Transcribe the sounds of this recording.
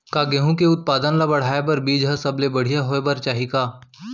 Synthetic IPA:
kaːɡeɦũkeʊt̪̚paːd̪ənlabɐɽ̤aːebɐɾbiːd͡ʒɦɐsɐblebɐɽ̤ijaɦoebɐɾt͡ʃaːɦikaː

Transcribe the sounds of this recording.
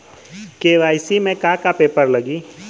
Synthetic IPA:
keːʋaːɪsimẽkakapeːpəɾləɡiː

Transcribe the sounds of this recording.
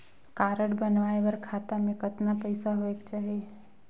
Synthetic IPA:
kaːɾəɽbənʋaːeʋəɾkʰaːt̪amẽkət̪napəɪsaɦoekt͡ʃaːɦie

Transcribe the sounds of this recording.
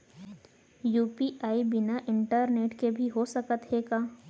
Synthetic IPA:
juːpiʔaːibɪnaʔɪ̃ɳʈəɾneːʈkebʱiɦosɐkət̪ɦeːɡaː

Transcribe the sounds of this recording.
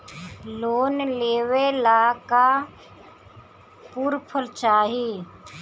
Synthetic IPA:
loːnleːʋelaːka | puːɾpʰəlt͡ʃaːɦiː

